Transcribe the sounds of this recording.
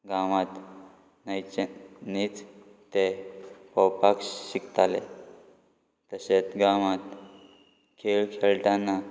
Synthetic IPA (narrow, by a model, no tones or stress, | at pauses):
ɡãʋãt̪ | najt͡ɕnit͡s | t̪epəwpakɕikt̪ale | t̪əset͡sɡaʋãt̪ | kʰelkʰeɭʈanːa